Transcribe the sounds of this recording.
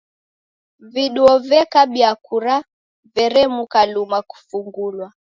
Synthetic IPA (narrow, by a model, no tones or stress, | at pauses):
viɗuɔvɛkaɓiakuɾa | vɛɾɛmukalumaku̥fuŋɡulwa